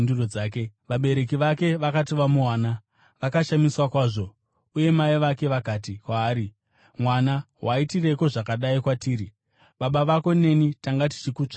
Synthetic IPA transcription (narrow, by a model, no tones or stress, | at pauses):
nduroaːkeʋaɓe̞ɾe̞kiʋake̞ʋakatiʋamuwaːna | ʋakaʃamiswakwaːʐo̞ | uje̞maiʋake̞ʋakaːtikwaːɾi | mwanaɦwaitire̞ko̞ʐakaɗaikwatiːɾi | ɓaɓaʋako̞ne̞nitaŋɡati̥t͡ʃikuːt͡ʂḁ